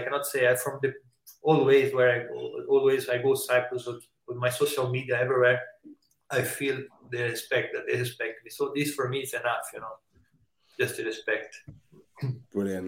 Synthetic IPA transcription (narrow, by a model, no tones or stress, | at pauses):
akɛ̃nɔtseɪaɪfɹɔ̃mðɨ | ɔlˠweɪzwə˞aɪɡoɔlˠwezaɪɡosaɪkəl̩ˠzwɪ | wɪðmaɪsoʃəlˠmidiaɛvɹiwɛɹ | aɪfilˠðeɨspɛk̚t̚ðɨt̪̚ðehɨspɛk̚tmisoʊðɪsfɔ˞miɨsɨnʌfjɨnoʊ̥ | d͡ʒʌstɨɹɨspɛk̚t